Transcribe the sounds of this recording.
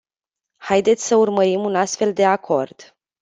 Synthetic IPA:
hajd̪et̪sʲsəurməɾimunast̪fe̞ld̪e̞akʰo̞rd̪̥

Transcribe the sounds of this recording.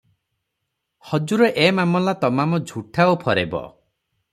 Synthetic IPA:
hɔd͡ʒuɾɔʔemamɔlat̪ɔmamɔd͡ʒʱuʈʰaopʰɔɾḛbɔ̰

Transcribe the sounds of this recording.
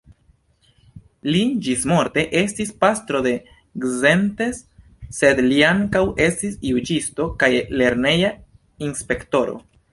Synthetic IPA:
lid͡ʒismo̞ɾte̞ʔe̞stispast̪ɾo̞de̞ | ɡze̞nte̞sː | e̞d̪liaŋkawe̞stisjud͡ʒisto̞kajle̞ɾne̞ja | inspe̞kto̞ɾo̞̰

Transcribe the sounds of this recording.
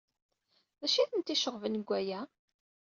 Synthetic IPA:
ðæʃiθənt̪iʃəʁvənɡʷːæjæ

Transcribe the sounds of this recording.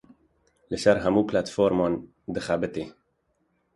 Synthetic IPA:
ləʃaɾɦamuːplat̪fɔɾmɔn | d̪əxabət̪e

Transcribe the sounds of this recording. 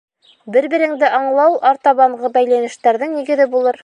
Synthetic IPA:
bɘɾbɘ̆ɾɘ̆ŋd̪ɘʔɑɴlˠɑwʔɑɾt̪ɑβɑɴʁɤbæjlænɘ̆ʃt̪æɾðɘŋniɡɘ̆ðɘbulˠɤɾ

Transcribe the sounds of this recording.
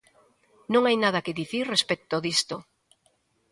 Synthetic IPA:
nõŋajnað̞ɐkeðiθiɾrespek̚t̪oðist̪o

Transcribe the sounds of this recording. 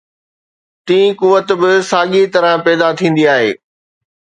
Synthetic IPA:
t̪ĩːkʊʋət̪bɪsaːɠit̪ɐɾə̃pɛːd̪at̪ʰĩːn̆d̪iaːɦḛː

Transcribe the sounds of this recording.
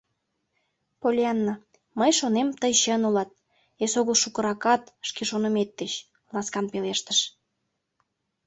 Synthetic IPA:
polʲɑnːə | məjʃonemt̪əjɕənulɑt̪̚ | esoɣəlʃukə̆ɾɑkɑt̪ʃkeʃonəmet̪̚ːet͡ɕ | lɑskɑnpeleʃt̪əʃ

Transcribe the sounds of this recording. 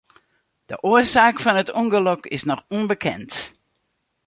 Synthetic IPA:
d̥ə̰ʔoəsaːkfɔnətuŋɡəlɔkɪ̰snɔxunbəkʰɛ̰nt

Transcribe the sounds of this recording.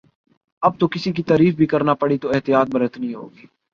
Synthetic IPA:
ɐb̚t̪okɪsik̬it̪aːɾiːfbʱikɐɾnapɐɽit̪oɪɦt̪ijaːt̪̚bɐɾət̪nĩɦo̰ːɡiː

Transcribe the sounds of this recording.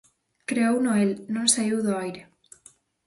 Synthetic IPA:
kɾeownoelnõŋsaiwðoajɾe

